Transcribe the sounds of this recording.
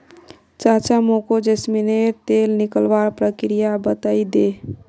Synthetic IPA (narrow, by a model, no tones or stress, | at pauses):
t͡ʃat͡ʃamokod͡ʒəsmineɾt̪elnikəlbaɾpɾəkɾijabət̪əid̪e